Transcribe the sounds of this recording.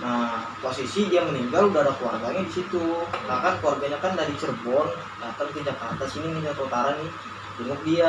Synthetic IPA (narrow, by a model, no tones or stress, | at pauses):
ə | posisidiaŋməniŋɡaludaɦadaklua̰rɡaɲadisit̪ukakankluarɡaɲakandadit͡ʃərbɔn | dat̪amk̪id͡ʒakart̪asininiɲasot̪aɾanɪ | diŋət̪̚dia